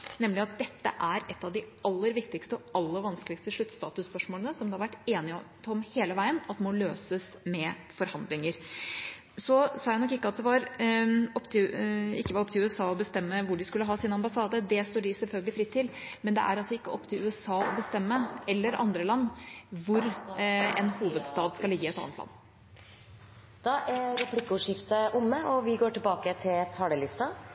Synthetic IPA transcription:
nɛmlɪɑt̪̚d̪ɛt̪ːə̰ʔæɾɛt̪ːɑʋd̪ɪɑlːəɾʋɪkt̪ɪkst̪əɔɑlːəɾʋɑnskəlɪkst̪əʂɭʉt̪ːst̪ɑːt̪ʉspœʂmoːlənəsɔmd̪ɛhɑɾʋæʈːeːnɪ | ɔmheːləʋæɪənɑt̪ːmɔløːsəsmɛfɔɾhɑnd̪lɪŋəɾ | sɔsɑːjæɪnɔkːɪkːəɑt̪̚d̪ɛʋɑɾ | ɔpːt̪ʰɪɪkːəʋɑɾɔp̚ːt̪ɪʉːɛsɑːɔbəst̪ɛmːəʋʊɖɪskʉlːəɦɑːsɪnɑmbɑsɑːd̪əd̪ɛst̪oːɖɪsɛlfœlɡəlɪfɾɪt̪ʰːɪlmɛnd̪ɛ̰ʔæ̰ɾɑlsɔɪkːəɔpːt̪ʰɪlʉːəsɑːɔ̰bəst̪ɛmːəɛlːəɾʔɑ̰nd̪ɾəlɑnːʋʊɾɛnhuːʋəd̪st̪ɑːd̪skɑlɪɡːəɪɛt̪ɑ̰nət̪lɑ̰nː | d̪̥ɑːʔæɾɾɛpʰlɪkːəʊʂɪft̪əʔʊmːəɔʋɪɡoːʈɪlbɑːkət̪ʰɪlt̪ʰɑːɽəlɪst̪ɑ

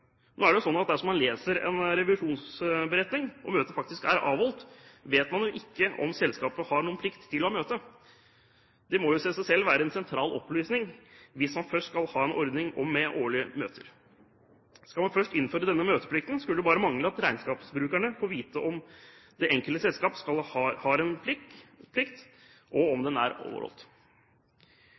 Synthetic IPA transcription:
noːæɖɛjʊsɔnːɑt̪̚d̪æʂɔmːɑnleːsəɾɛ̰nɾɛʋlʉʂuːnsbəɾɛt̪nɪŋɔ̰møːt̪əfɑk̚t̪ɪskæ̰ɾɑ̰ːʋɔlt̪ʋeːt̪mɑnjʊʔɪkːəʔɔ̰msɛlskɑːpəhɑɳuːənpʰlɪkt̪ʰːɪlːɔɑmøːt̪ə | d̪̥ɛmɔjʊsæɪsæɪsɛlːʋæːɾəɛnsɛnt̪ʰɾɑːlɔ̰plyːsnɪŋʋɪsmɑnfœʂʈskɑlhɑːɛnʔɔɾd̪nɪŋɔ̰mːɛʔoːɭɪəmøːt̪ʰəɾ | skɑlmɑnfœʂʈɪnːføːɾəd̪ɛnːəmøːt̪ə̥pʰlɪk̚t̪n̩skʉləʊbɑːɾəmɑŋləɑt̪ɾæɪnskɑːpsbɾʉːkæɳəfoːʋiːt̪əʔɔmd̪̥ɛʔɛŋkəlt̪əsɛlskɑːpskɑlɑhɑːɾɛnppʰlɪkt̪ | ʔɔɔmd̪ɛnæ̰ɾo̰ːʋə̰ɾhɔ̰lt̪

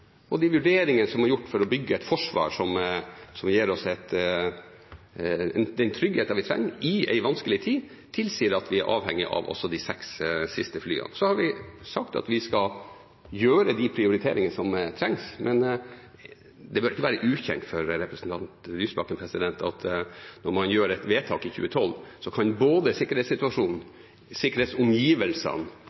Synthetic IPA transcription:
ɔd̪ɛʋʉɖeːɾɪŋənəsɔmhɑɾjʊʈːfɔɾɔbʏɡːəɛɪt̪fɔʂʋɑ̰ːɾʂɔmsɔmjeːɾɔsɛt̪ | ɛnd̪ɛnt̪ʰɾʏɡheːt̪ɑʋɪt̪ʰɾɛ̰ŋːɾɪɛ̰ɪʋɑnskəlɪt̪ʰiːd̪ | t̪ʰɪlsiːəɾɑt̪ʰʋɪæɾʔɑ̰ːʋhɛŋːɪʔɑ̰ʋɔ̰sːɔd̪ɪsɛkssɪst̪əfly̰ːə̰nsɔhɑɾʋɪsɑkt̪ɑ̰t̪ʋɪskɑ | jøːɾəd̪ɪpʰɾɪʊɾɪt̪ʰeːɾɪŋənəsɔmt̪ʰɾɛŋsmʔɛn | d̪ɛbœɾɪkːəʋæːɾəʔʉːçɛ̰nt̪fɔɾɾɛpɾɛsn̩t̪ʰɑnt̪lyːsbɑkənpʰɾɛsɪd̪ɛnt̪ɑt̪nɔɾmɑnjøːɾɛt̪ʋeːt̪ʰɑːkɪçʉ̰ːət̪ʰɔlːsɔkʰɑnboːd̪əsɪkːəɾeːt̪sɪt̪ʉɑʂuːnn̩ | sɪkːəɾheːt̪sʊmjiːʋəlsə̰n

